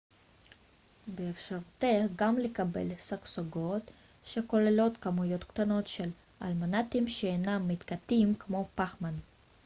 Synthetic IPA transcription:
beːfʃaʁut̪eɡamlekabḛlsaksoɡo̞t̪ | ʃeko̞lelo̞t̪kamujo̞t̪kt̪ano̞t̪ʃel | a̰lmanat̪imʃeenamːit̪kat̪imkmo̞paχman

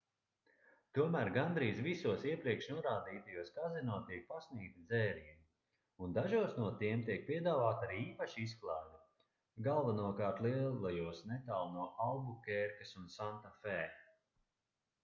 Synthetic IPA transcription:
t̪uɔmæːɾɡand̪ɾiːzvisuɔsiɛpɾiɛkʃnuɔɾaːd̪iːt̪ajuɔskazɛnuɔt̪iɛk̚pasniːk̚t̪id̪zɛːɾiɛm | und̪aʒuɔsnuɔt̪iɛmt̪iɛk̚pʲiɛd̪aːvaːt̪aɾiːiːpaʃiis̬klˠaːji | ɡalˠvanuɔkaːɾt̪lˠiɛlˠajuɔsnɛt̪alˠnuɔʔawɡukʲɛɾkɐsunsant̪afɛː

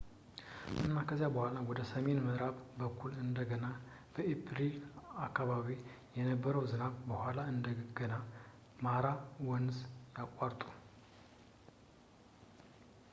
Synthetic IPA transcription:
ʔɨnːakʰəzjabəhʷalawɔd̪əsəmenməd̪ɾaβbəkʰːulɨnd̪əɡəna | b̥əepʰɾilakːaβaβi | jɛnəbːəɾəwzɨnaβbəhʷalaɨnd̪əɡəna | maɾawɔnzjakʷʼːaɾt̪ʼu̥

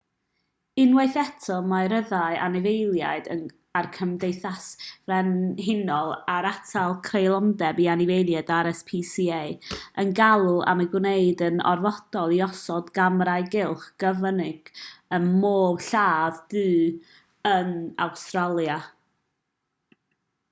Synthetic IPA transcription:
ɪnwejθɛtʰɔlˠmarəðaɨʔa̰nɪvejlˠja̰ɨdə̰n | arkʰəmdejθasrɛnɦɪnɔlˠaɾatʰalˠkʰrejlˠɔndɛbianɪvejljɛdaɾɛspʰisiejənɡalˠʊa̰məɡwnejdənɔ̰rvɔd̥ɔlˠiɔsɔdɡamɾaɨɡɪlˠχɡ̥əvənɪɡ̥ənmoːbɬaːvdɨː | əna̰wstralˠja

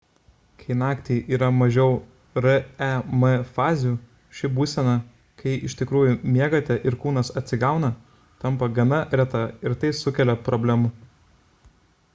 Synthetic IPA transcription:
kʰɐɪnɑːkt̪ʲiːʔiːɾɐmɐʒʲɛʊ | ɾɐæmɛfɑːzʲjuː | ʃʲɪbuːsʲɛnɐ | kʰɐɪɪʃʲt̪ʲɪkɾuːjumʲiɛɡɐt̪ʲɛʔɪɾkuːnɐsɐt̪ʲsʲɪɡɑˑʊnɐ | t̪ɐmpɐɡɐnɐɾʲɛt̪ɐɪɾt̪ɐɪsʊkʲɛlʲɛpɾɔbʲlʲɛmʊ

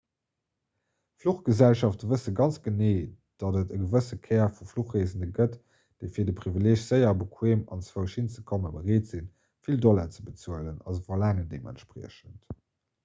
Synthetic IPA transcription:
fluχɡ̥əzælʃɑftəvəsəɡɑnt͡sɡ̥əneː | d̥ɑdətəɡəvəsəkʰɛːɐfufluχʁeːzənəɡət | d̥eɪfiːɐdəpʁivileːʃz̥əɪɐbəkʰweːmɑnt͡svəʊʃint͡səkʰoməbəʁeːtz̥in | fildɔlɐt͡səbət͡suələnɑ̰zəvolaːŋəndeːmʔæ̰ntʃpʀḭəʃənt

